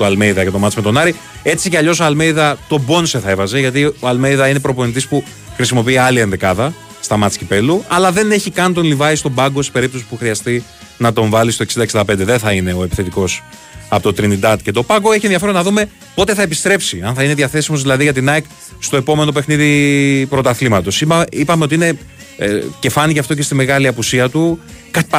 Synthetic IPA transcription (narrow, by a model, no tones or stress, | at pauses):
t̪oɐlmejðɐce̞t̪o̞mɐt̪sme̞t̪o̞nɐɾi | e̞t͡siceɐʎo̞s̬oɐlme̞jðɐt̪o̞bo̞nseθɐe̞vɐze̞ʝɐt̪̬ioɐlmejðɐine̞pɾo̞ponit̪̬ispu | xɾisimo̞piiɐliɐnðekɐðɐ | st̪ɐmɐt̪t͡scipe̞luɐlɐðe̞ne̞çikɐnt̪onlivɐist̪o̞bɐɡo̞si̥pe̞ɾip̚t̪o̞si̥puxɾiɐst̪i | nɐt̪o̞ɱvɐlist̪o̞ksind̪ɐeksind̪ɐpe̞nd̪eðeθɐine̞o̞e̞pi̥θe̞t̪iko̞s | ɐpot̪ot̪ɾinid̪ɐt̪ce̞t̪o̞pɐɡoe̞çienðiɐfeɾo̞nɐðume̞ | po̞t̪e̞θɐe̞pist̪ɾe̞psiɐnθɐineðiɐθe̞simo̞zðilɐðiʝɐt̪inɐek | st̪o̞epo̞me̞no̞pe̞xniðipɾo̞t̪ɐθlimɐt̪o̞siipɐmeot̪iine̞ | ce̞fɐniceft̪o̞c̬e̞st̪ime̞ɣɐliɐpusiɐt̪u | kɐ